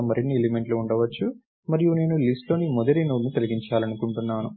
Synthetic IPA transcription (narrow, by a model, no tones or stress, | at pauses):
mɐɾinːielimeɳʈluːɳɖɐʋɐt͡ʃːu | mɐɾijune̞ːnulisʈlo̞ːnimɔd̪ɐɾinuːɾnut̪ɐliɡiɲt͡ʃaːlɐnukuɳʈunːaːnu